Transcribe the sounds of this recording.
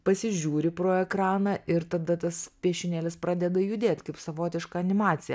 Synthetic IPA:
pɐsʲɪʒʲuːɾʲɪpɾoːɛkɾɑːnɑʔɪɾt̪ɐd̪ɐt̪ɐspʲiɛʃʲɪnʲeːlʲɪspɾɑːd̪ʲɛd̪ɐjʊd̪ʲeːt̪ʲkɐɪpsɐʋoːt̪ʲɪʃkɐɐnʲɪmɑːt̪sʲɪjɛ̰

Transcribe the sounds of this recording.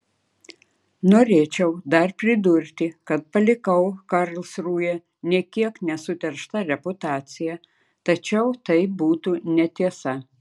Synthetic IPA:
noːɾʲeːt͡ʃʲɛʊd̪ɐɾpʲɾʲɪd̪ʊɾʲt̪ʲɪkɐt̪̚pɐlʲɪkɐʊkɐɾlˠsɾuːjɛ | nʲiɛkʲiɛknʲɛsʊt̪ʲɛɾʃt̪ɐɾʲɛpʊt̪ɑːt̪sʲɪjɛ | t̪ɐt͡ʃʲɛʊt̪ɐɪbuːt̪unʲɛt̪ʲiɛsɐ

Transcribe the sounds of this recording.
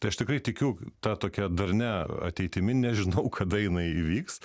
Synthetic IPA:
t̪ɐɪɐʃt̪ʲɪkɾɐɪt̪ʲɪkʲuːt̪ɑt̪oːkʲɛd̪ɐɾʲnʲæɐ̰t̪ʲɛɪt̪ʲɪmʲɪnʲɛʒʲɪnɐʊkʰɐd̪ɐjɪnɐɪiʋʲiːks

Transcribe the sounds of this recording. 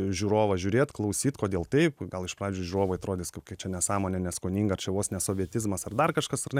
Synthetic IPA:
ʒʲuːɾoːʋɐʒʲʊːɾʲeːt̪klˠɐʊsʲiːt̪koːd̪ʲeːlˠt̪ɐɪpɡɐlˠɪʃpɑːʋeːd͡ʒʲʊʒʲuːɾoːʋoɪɐt̪ɾoːd̪ʲɪːskɐpkɐɪt͡ʃʲɛnʲɛsɑːmoːnʲɛnʲɛskonʲiːŋɡɐɐrt͡ʃʲɛʋoːsnʲɛsoːʋʲiɛt̪ʲɪzmɐsɐrd̪ɐrkɐʃkɐsɐrnʲɛ

